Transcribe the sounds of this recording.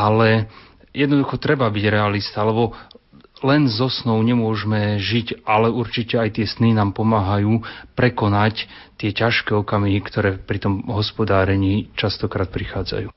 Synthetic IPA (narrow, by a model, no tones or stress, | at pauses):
alɛ | jɛd̪nɔd̪uxɔt̪ɾɛbabiɟɾɛalist̪alɛbɔ | lɛnzɔsnɔʊɲɛmʊɔʒmɛʒicalɛuɾt͡ʃicɛajt̪ɪɛsninaːmpɔmaːɦajuːpɾɛkɔnac | t̪ɪɛcaʃkɛːɔkamiɦikt̪ɔɾɛːpɾit̪ɔmɦɔspɔd̪aːɾɛɲiːt͡ʃast̪ɔkɾaːt̪̚pɾixaːd͡za̰juː